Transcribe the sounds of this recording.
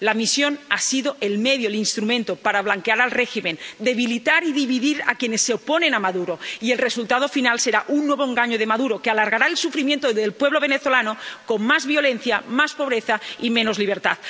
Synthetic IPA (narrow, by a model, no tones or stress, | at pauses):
lamisjo̞nasiðoʔelmeðjoelinst̪ɾumẽnt̪opaɾaβ̞laŋkeaɾalreximend̪eβ̞ilit̪aɾiðiβiðiɾa̰kjenesːeoponẽnamaðuɾoielresult̪aðo̞finalseɾaʔunːweβ̞oeŋɡaɲoð̞emaðuɾokealaɾɣaɾaelsufɾimje̞nt̪oðelpwe̞βloβ̞eneθo̞lanokonmazβiolenθjamaspoβ̞ɾeθaimẽnozliβ̞eɾt̪at̪